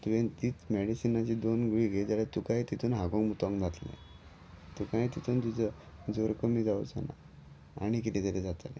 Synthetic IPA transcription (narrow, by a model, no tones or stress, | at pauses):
t̪ujẽnt̪iːt͡smɛɽisinat͡ɕiːd̪onɡuɭiːɡed͡zalet̪ukajt̪it̪ʰuːnɦaɡɔ̃ŋmut̪ɔ̃ŋd͡zat̪lḛ̃ | t̪ukãjt̪it̪ʰuːnt̪ut͡sə | d͡zoɾkəmiːd͡zawt͡sa̰na̰ | a̰ɽ̃ik̬it̪ɛt̪eɾɛd͡zat̪ale